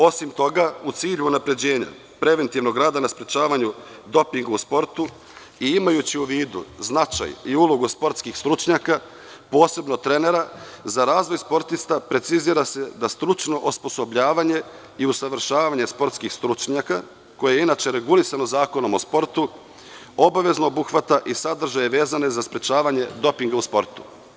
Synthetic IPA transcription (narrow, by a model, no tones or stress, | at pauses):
o̞simt̪o̞ɡaut̪siːʎuːnapɾe̞d͡ʑe̞ːɲa̰ | pɾe̞ʋe̞nt̪iʋno̞ɡɾaːd̪anaspɾe̞t͡ʃaːʋaɲu | d̪o̞piŋɡuuspo̞ɾt̪u | iimajut͡ɕiuʋiːd̪ṵznat͡ʃa̰jiulˠoɡuspo̞ɾt̪skixst̪ɾut͡ʃɲaːka | po̞ːse̞bnot̪ɾe̞ne̞ɾazaɾaːzʋojspo̞ɾt̪ist̪apɾe̞t̪siziːɾase̞d̪ast̪ɾut͡ʃno̞ʔospo̞so̞bʎaːʋaɲe̞ | iusaʋr̩ʃaːʋaɲe̞spo̞ɾt̪skixst̪ɾut͡ʃɲaka | ko̞jejeinat͡ʃe̞ɾe̞ɡulisanozaːko̞no̞mo̞spo̞ɾt̪u | o̞baʋe̞znoobuxʋat̪aʔisad̪r̩ʒajeʋe̞ːzane̞zaspɾe̞t͡ɕaːʋaɲe̞d̪o̞piŋɡauspo̞ɾt̪u̥